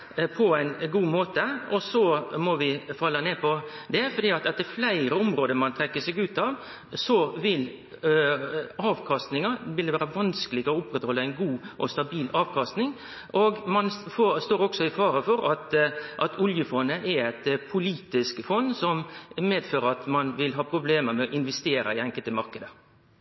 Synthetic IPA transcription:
pʰɔæɪnɡuːmoːt̪əɔsɔmɔʋɪfɑlːəneːpʰɔd̪ɛfɔɾɖ̪iːɑt̪ɛt̪ːəɾflæɪɾəɔmɾoːd̪əmɑnt̪ʰɾɛkːəsɛɡʉːt̪ɑʋ | sɔʋɪl | ɑːʋkʰɑst̪nɪŋɑʋɪld̪ɛʋæːɾəʋɑnskəlɪɡɔʊpːɾɛt̪hɔlːəæɪnɡuːʔɔst̪ɑbiːlʔɑːʋkʰɑst̪nɪŋ | ʔɔɡmɑnfost̪oːɾɔksɔɪfɑːɾəfɔɾɑt̪ʔɑt̪ʰʊljəfɔnːəʔɛɾɛt̪pʰʊliːt̪ɪskfɔnsɔmmeːd̪føːɾəɾɑt̪mɑnʋɪlɦɑːpʰɾʊbleːməɾmɛɔʔɪnʋɛst̪eːɾɑ̰ɪæŋkəlt̪əmɑɾkəd̪ə

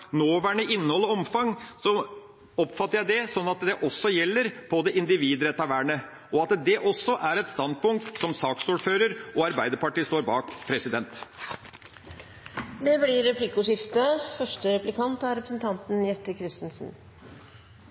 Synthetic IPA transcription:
noːʋæːɳəʔɪnːəhɔlːəɔmfɑŋsɔ | ɔpfɑt̪ːəɾjæɪd̪ɛsɔnːɑt̪d̪ɛʔɔsːɔjɛlːəɾbʰod̪ɛʔɪnd̪ɪʋiːd̪ɾɛt̪ːɑʋæːɳə | ʔɔɑt̪d̪ɛʔɔsːɔʔæɾɛt̪st̪ɑnd̪̚pʊŋk̚t̪sɔmsɑːksuːɖføːɾəɾʔɔɑɾbæɪd̪əɾpɑʈiːst̪oːɾbɑːkpʰɾɛsɪd̪ɛnt̪ | d̪ɛblɪɾɛpʰlɪkʊʂɪft̪əfœʂʈəɾɛplɪkʰɑnt̪ɑɾɛpɾəsn̩t̪ʰɑnt̪n̩jɛt̪ːəkʰɾɪst̪nsn̩

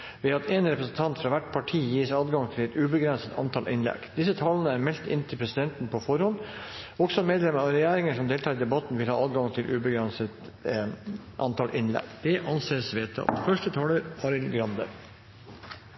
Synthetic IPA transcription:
ʋɛːɑt̪ɛːnɾɛpɾəsnt̪ʰɑnt̪fɾɑʋæʈːpʰɑʈʰiːjiːsɑːd̪ɡɑŋt̪ʰɪlɛt̪ʉːbəɡɾɛnsət̪ʰɑ̰nt̪ʰɑːlʔɪ̰nlɛ̰ɡ̥d̪̥ɪsːət̪ʰɑːlənəæɾmɛlt̪ɪ̰nːt̪ʰɪlpʰɾɛsɪd̪ɛnt̪npʰɔfɔɾhɔnɔɡsɔmeːd̪lɛməɾɑɾɛjæːɾɪŋəʂɔmd̪eːlt̪ʰɑːɾɪd̪ɛbɑt̪n̩ʋɪlhɑːɑːd̪ɡɑŋt̪ʰɪlʔʉːbəɡɾɛnsət̪ | ʔɑ̰nt̪ɑːlʔɪnlɛ̰ɡd̪̥ɛʔɑnseːsʋeːt̪ʰɑ̰t̪fœʂʈət̪ʰɑːləɾkʰɑːɾɪlɡɾɑnd̪ə̰ɾ

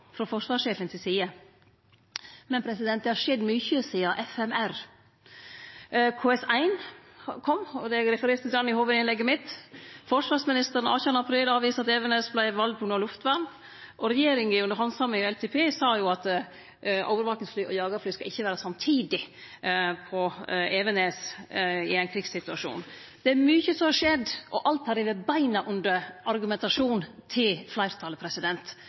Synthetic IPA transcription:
fɾɔfɔʂʋɑːʂeːfənt̪ʰɪlsiːə | mɛnpʰɾɛsɪd̪ɛnt̪d̪ɛhɑʂɛd̪myːçəsiːɑʔɛfɛmæɾ | kʰoːɛsæɪnkʰɔmːɔd̪ɛɾɛfəɾeːɾt̪ʰɪld̪ɑnɪhoːʋəd̪ɪnlɛɡːəmɪt̪ːfɔʂʋɑːɾsmɪnɪst̪əɾən̩ɑ̰ːçʉːənɑpʰɾiːlɑːʋiːsəɑt̪ɛʋɛnɛsblæɪʋɑld̪̚pʰɔnoːlʊft̪ʋæɾn | ʔɔɾɛjeːɾɪŋəʉnəɾhɑnsɑmːɪŋɛlt̪ʰɛpʰeːsɑːjʊɑt̪ | ʔɔ̰ʊʋəɾʋɑːknɪŋsflyːʔɔ̰jɑːɡəɾflyːskɑʔɪçːəʋæːɾəsɑmt̪ʰiːd̪ɪ | pʰɔeːʋɛneːsɪæɪnkʰɾɪɡsɪt̪ʉɑʂṵːn | d̪̥ɛæɾmyːçəsɔmhɑʂɛd̪ʔɔʔɑlt̪hɑɾɪʋəbæɪnɑʔʉnd̪əɾʔɑɾɡʉmɛnt̪ɑʂuːnt̪ʰɪlflæɪɾt̪ʰɑːləpʰɾɛsɪd̪ɛnt̪

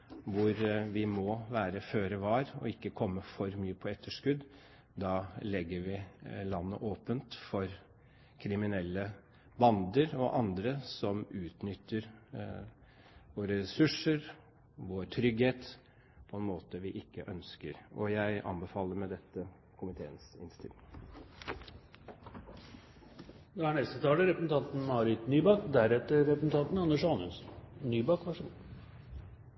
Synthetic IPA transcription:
ʋʊɾʋɪmɔʋæːɾəføːɾɛʋɑɾɔ̰ɪkːəkʰɔmːəfɔɾmyːəpʰɔɛt̪ʰːəʂkʉd̪ | d̪ɑːlɛɡːəɾʋɪlɑnːə̰ʔoːpənt̪fɔɾ | kʰɾɪmɪnɛlːə | bɑnd̪əɾɔʔɑnd̪ɾəsɔmʉːt̪nʏt̪ːəɾ | ʋoːɾəɾɛsʉʂəɾ | ʋoːɾt̪ʰɾʏɡheːt̪ | pʰɔɛnmoːt̪əʋɪʔɪkːəʔœnskəɾɔjæɪʔɑ̰mbəfɑːləɾmɛd̪ɛt̪ːə | kʰʊmɪt̪ʰḛːənsɪnst̪ɪ̰lɪ | d̪ɑæɳɛst̪ət̪ʰɑːləɾɛpɾəsn̩ɑnt̪n̩mɑːɾɪt̪nyːbɑkd̪æɾɛt̪ːəɾɾɛpɾsn̩t̪ʰɑnt̪nɑnːəʂɑːnʉnsnnyːbɑkʋæʂɔm

